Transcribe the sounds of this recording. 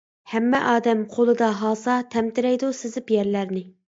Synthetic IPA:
hæmːɛʔɑːd̪ɛmqʰolˠɨd̪ɑɦɑlˠsɑt̪ʰɛmt̪ɪɾɛjd̪usɪzɪpjɛɾlæɾnɪ

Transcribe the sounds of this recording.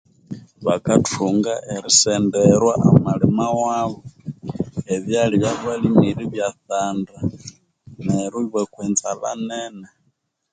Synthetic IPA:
βakatuŋɡaʔɛɾisɛndɛɾwaʔamalimawaβɔ | ɛðjaliβjaβalimiɾiβjaθanda | naɾiβwɛkwɛnzala̰nɛnɛ

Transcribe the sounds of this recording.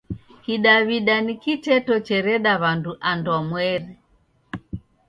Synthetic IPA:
hiɗaβiɗanikit͡ʃɛtɔt͡ʃɛɾɛɗaβanduʔandɔmwɛɾɛ

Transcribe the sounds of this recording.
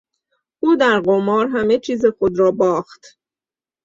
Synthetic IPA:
ʔuːd̪æɾɢomɒːɾɦæme̞t͡ʃʰiːzexod̪ɾɒːbɒːχt̪

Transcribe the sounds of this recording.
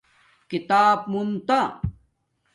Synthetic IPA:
kit̪aːbmumt̪a

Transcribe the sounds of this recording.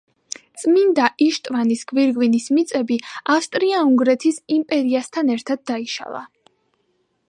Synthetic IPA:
t̪sʼmind̪aʔiʃt̪ʼvanisɡ̥viɾɡvinismit̪sʼɛbiafst̪ʼɾiauŋɡɾɛt̪ʰisimpʼɛɾiast̪ʰanɛɾt̪ʰad̪̚ːaiʃa̰lˠa̰

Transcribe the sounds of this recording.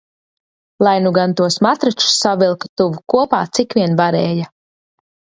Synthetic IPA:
lˠajnuɡant̪uɔsmat̪ɾat͡ʃu̥sːavilˠkḁt̪uvukuɔpaːt̪sikʋiɛnvaɾɛːja

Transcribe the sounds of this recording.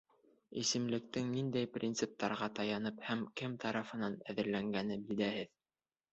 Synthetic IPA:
isɘ̆mlɘ̆k̚t̪ɘŋnind̪æjprʲint̪sɨp̚t̪ɑɾʁɑt̪ɑjɑnɤphæmkɘmt̪ʰɑɾɑfɤ̆nɑnæðɘ̆ɾlæŋɡænɘbild̪æhɘð

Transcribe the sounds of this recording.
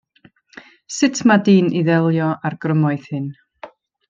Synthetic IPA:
sɪtʰmadiːnʔiðɛlˠjɔʔarɡ̥rəmɔjθhɨn

